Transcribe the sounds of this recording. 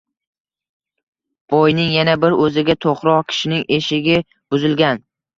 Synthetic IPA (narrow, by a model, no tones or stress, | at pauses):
b̥ɒjnɪŋjanabɪɾɵzɪɡʲat̪ʰoχɾɒkʲʰɪ̥ʃɪnɪŋʔeʃɪɡʲɪ | b̥ʊzɪlɡʲan